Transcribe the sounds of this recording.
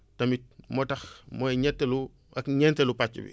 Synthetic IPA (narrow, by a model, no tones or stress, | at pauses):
tɐmit̚mɔtɐxmɔjɲɛtːɛlu | ɐkɲɛntɛlupat͡ʃːṵbḭ